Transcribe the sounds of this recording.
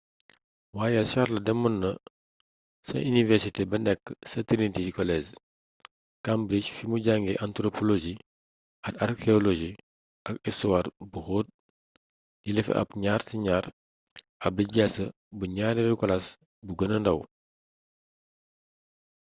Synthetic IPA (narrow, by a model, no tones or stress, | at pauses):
waːjɐʃaɾlɐdɛmɔnːɐ | sɐ̰inivɛɾsitebɐnɛkːsɐtiɾintiikɔlɛz | kambɾiʃfimuɟaŋɡɛʔantɾopʰɔloʒi | ɐkarkeɔloʒi | ʔɐkɛsuwarbuxoːt̚ | jilɛfɛ̰ʔɐ̰pɲaːrsiɲaːr | ɐp̚liɟasə | buɲaːniɾukɔlɐs | buɡənɐndɐw